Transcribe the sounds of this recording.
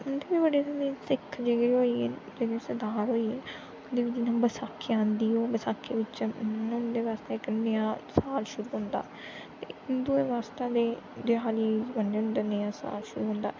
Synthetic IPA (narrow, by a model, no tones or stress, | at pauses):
ʊnd̪eːbiːbəɖeːt̪ãnd̪iːsɪkʰd͡ʒeːɡəɾɦoːiːɛd͡ʒeːɡiːsəd̪aːɾɦoːiːɛː | ʊnd̪eːbiːd͡ʒɪnãːbəsaːkʰːeːãːnd̪iːoːbəsaːkʰːeːʋɪt͡ʃʊnd̪eːʋaːst̪eːɪknejãːsaːlʃʊɾuːɦʊ̃nd̪a̰ː | t̪eːd̪ʊeːʋaːst̪ãːd̪eːd̪ɪaːliːbənɖʊnd̪aːnejãːsa̰ːlʃʊɾuːɦʊ̃ːnd̪aː